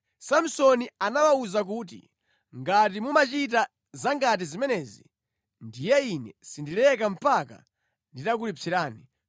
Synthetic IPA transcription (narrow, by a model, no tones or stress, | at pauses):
sam̩sɔnianawauzak̬uːt̬ḭ | ŋɡat̬imumat͡ʃit̬a | zaŋɡat̬izimɛnɛzḭ | ndijɛinɛsindilɛkam̩paka̰ | nditakulit͡siɾaːni